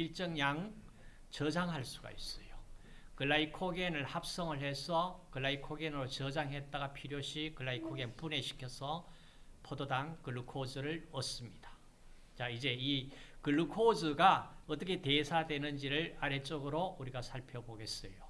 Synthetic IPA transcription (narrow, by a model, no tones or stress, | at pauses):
iɭt͡ɕ͈ʌŋɲaŋ | t͡ɕʌd͡ʑaŋɦaɭs͈uɡa̰is͈ʌjo | kɯɭːaikʰoɡenɯɭhap̚s͈ʌŋɯɭhe̞sʰʌkɯɭːaikʰoɡenɯɾot͡ɕʌd͡ʑaŋɦet̚t͈aɡapʰiɾjoɕʰikɯɭːaikʰoɡenpune̞ɕʰi̥kʰjʌsʰʌ | pʰododaŋkɯɭːukʰod͡ʑɯɾɯɭʌs͈ɯmɲid̥ḁ | t͡ɕaid͡ʑe̞ikɯɭukʰod͡ʑɯɡaʌt͈ʌkʰe̞te̞sʰadwe̞nɯnd͡ʑiɾɯɭaɾe̞t͡ɕ͈oɡɯɾouɾiɡasʰaɭpʰjʌboɡe̞s͈ʌ̰jo